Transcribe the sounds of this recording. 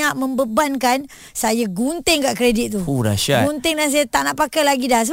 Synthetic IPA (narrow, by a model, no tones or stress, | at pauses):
aʔmə̃mbəbankan | sajaɡunt̪ɪŋkaʔkɾedit̪̚ːuuɾa̰ʃaɡunt̪ɪŋdans̬ajat̪aʔnaʔpakajlaɡidas̬ə